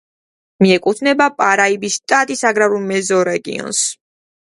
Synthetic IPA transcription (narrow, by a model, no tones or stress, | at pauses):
miɛkʼut̪ʰnɛbapʼaɾaibist̪ʼat̪ʼisaɡɾavɾulˠmɛzɔɾɛɡḭɔ̰ns